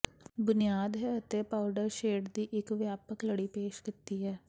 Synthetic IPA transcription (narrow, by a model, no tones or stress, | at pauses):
bʊnijaːd̪ɦɛːət̪epaːʊɖəɾʃeːɖd̪iːʔɪkʋjaːpəkləɽiːpeːʃkɪt̪iːɦɛː